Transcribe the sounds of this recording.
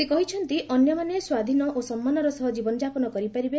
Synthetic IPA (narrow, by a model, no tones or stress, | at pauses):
ekɔɦit͡ʃʰɔnt̪iʔɔnjɔmaneswad̪ʱinɔʔosɔmːanɔɾɔsɔɦɔd͡ʒibɔnɔd͡ʒapɔnɔkɔɾipaɾibe